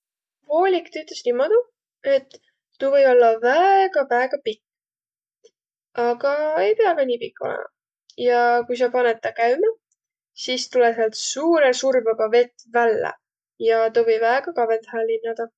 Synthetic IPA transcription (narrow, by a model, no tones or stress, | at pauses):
vo̞ːlʲikt̪yt̪ːˑleslimod̪u | e̞t̪ː | uvɤ̞jo̞lːɑvæeɡ̥ɑvæeɡ̥ɑpikː | ɑɡ̥ɑe̞jpeɑvænʲiːpikːˑo̰lɛ̰mʔɑ̰ | jɑkujs̬ɑpɑnet̪ːɑkæɥmɑ | siːst̪uleseɑlt̪suːɾesurbɑbɑve̞t̪ːvælːḛ | jɑt̪ovɤ̞jvæeɡ̥ɑkɑve̞nt̪hælːinːɑd̪̥ɑ